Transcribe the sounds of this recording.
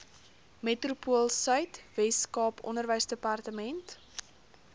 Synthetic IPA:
metrupuəlˠsœɥtvɛskɑːpɔ̰ndərvəjsdəpɑrtəmɛnt

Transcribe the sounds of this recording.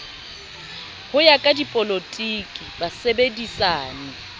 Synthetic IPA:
hʊjakʼadipʼolotʼiːkʼibasebedisaːnɪ

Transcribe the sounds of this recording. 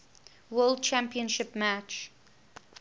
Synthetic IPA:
wɜld̚t͡ʃʰæ̃mpiə̃nʃɪpmæt͡ʃ

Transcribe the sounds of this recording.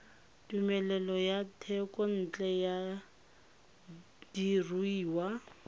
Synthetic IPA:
tumɛlɛlɔjatʰɛkʼɔn̩ːt͡ɬʼɛja | d̥iruiːwa

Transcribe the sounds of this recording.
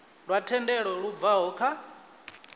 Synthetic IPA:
ɺwatʰɛndɛɺɔɺuvaɦɔːkʰa

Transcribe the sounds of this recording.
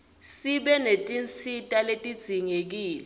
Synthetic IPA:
siɓɛnetʼint͡sʰitʼaletʼid̥z̥ʱiŋek̬iːlɛ

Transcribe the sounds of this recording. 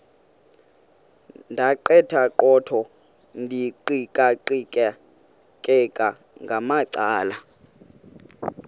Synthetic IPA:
ndʱaǃɛtʰaǃɔtʰɔ | ndʱiǃikʼaǃikʼɛ | kʼɛkʼa | ŋɡʱamaǀaːla

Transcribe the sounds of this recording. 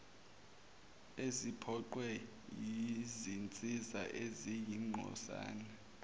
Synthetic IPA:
ezipʰɔǃwɛ | jizint͡sʼiza̰ʔezijiŋ͡ǃʱɔ̰sa̰ːna

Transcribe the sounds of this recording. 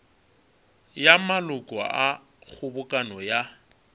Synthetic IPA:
jamalʊkʼɔʔa | k͡xʊbʊkʼanɔja

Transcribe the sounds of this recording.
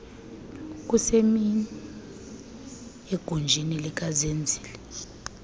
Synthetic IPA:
k̬ʼusemi | eɡ̥ʱund͡ʒʱinilik̬ʼazend͡zʱiːlɛ

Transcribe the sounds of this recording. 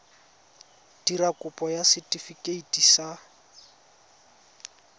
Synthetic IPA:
d̥irakʼʊpʼɔjasɪtʼifikʼeitʼisa

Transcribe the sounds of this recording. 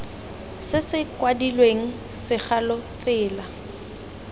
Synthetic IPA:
sɪsɪkwadilweŋ̩ | sɪk͡xʰalɔt͡sʼɪːla

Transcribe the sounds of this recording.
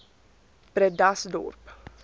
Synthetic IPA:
b̥ɾɛd̪asd̪ṵɾp

